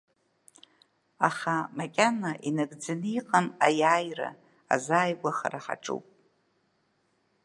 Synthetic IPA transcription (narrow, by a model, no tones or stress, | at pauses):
aχamakʲʼanaʔinaɡd͡zanɨiqʼamajaːjra̰ | a̰zaːjɡʷaχa̰ɾaħa̰ʈ͡ʂʼṵpʼ